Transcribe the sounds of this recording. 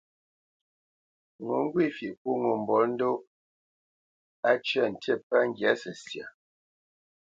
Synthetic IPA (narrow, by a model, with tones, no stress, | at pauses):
ŋo˨˦ŋ̩˦ɡwi˦˨fi˨ku˦ŋo˨m˨bɔ˨˦n̩˦do˦ | a˦t͡ʃɥa˦˨n̩˨te˦˨pa˦ŋ̩˦ɡja˨˦sə˨sja̰˨